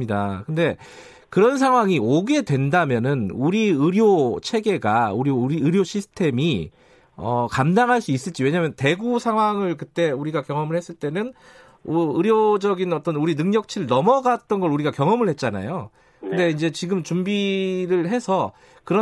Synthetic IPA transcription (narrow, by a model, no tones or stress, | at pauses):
idakɯnde̞ | kɯɾʌns̬ʰaŋɦwaŋioɡe̞dwe̞ndamjʌnɯnuɾiɯɾjot͡ɕʰe̞ɡe̞ɡauɾiɾiɯɾjoɕʰisʰɯ̥tʰe̞mi | ʌ̰kamdaŋɦaɭs͈uis͈ɯɭt͡ɕiwe̞ɲamjʌnte̞ɡusʰaŋɦwaŋɯɭkɯt͈e̞uɾiɡakjʌŋʌmɯɭhe̞s͈ɯɭt͈e̞nɯn | oɯɾjod͡ʑʌɡinʌt͈ʌnuɾinɯŋɲʌk̚t͡ɕʰiɭnʌmʌɡat̚t͈ʌnɡʌɭuɾiɡakjʌŋʌmɯɭhe̞t̚t͡ɕ͈ana̰jo | kkɯnde̞ind͡ʑe̞t͡ɕiɡɯmt͡ɕumbiɾɯɭɦe̞sʰʌ | kɯɾʌ